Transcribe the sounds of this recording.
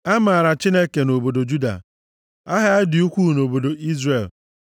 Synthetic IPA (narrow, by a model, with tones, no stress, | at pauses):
a˦ma˨a˨ɾa˨t͡ʃi˦ne˦ke˨no˨bo˨do˨d͡ʒu˦da̰˨ | a˦ɦa˦a˦dɪ˨u˦kʷu˦˨no˨bo˨do˨ʔi˦zre˨l